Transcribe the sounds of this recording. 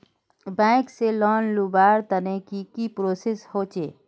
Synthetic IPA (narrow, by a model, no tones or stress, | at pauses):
bɛ̃ːkselɔːnlubaːɾt̪ənekikipɾoːseshoːt͡ʃeː